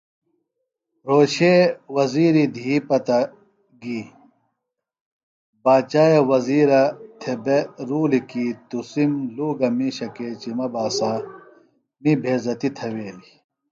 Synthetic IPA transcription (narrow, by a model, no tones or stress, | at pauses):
ɾoːɕewɐziːɾid̪ʱipɐt̪ɐ | ɡiː | baːt͡ɕaːjewɐziːɾɐt̪ʰebeɾuːlikiːt̪usimluːɡɐmiɕɐkeːt͡ɕimɐbaːsa | mibʱeːzɐt̪it̪ʰɐweːli